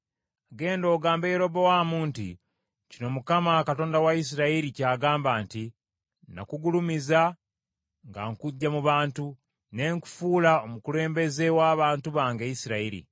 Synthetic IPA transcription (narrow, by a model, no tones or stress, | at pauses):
aɡe̞ːndo̞ːɡaːmbejeɾo̞bowaːmuːntḭ | cino̞mukamakato̞ːndawais̬iɾaiɾicaːɡaːmbaːnti | na̰kuɡulumiza | ŋɡa̰ŋkuɟːamuβaːntu | ne̞ŋku̥fuːlao̞mukule̞ːmbe̞ze̞waːβaːntuβaːŋɡeisiɾaiɾḭ